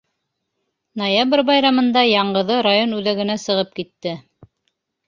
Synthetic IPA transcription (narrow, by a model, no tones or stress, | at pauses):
nojabrʲbɑjɾɑmɤ̆nd̪ɑjɑɴɢɤ̆ðɤɾajonʉðæɡɘ̆næsɤ̆ʁɤp̚kit̪ːɘ